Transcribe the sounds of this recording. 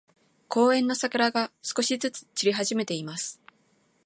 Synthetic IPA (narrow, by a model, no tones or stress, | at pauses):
kʰo̞ːẽ̞nːo̞sakɯɾaɡasɨ̥ko̞ɕizɨt͡sɨ̥t͡ɕiɾʲiɦaʑime̞t̪e̞imasɨ̥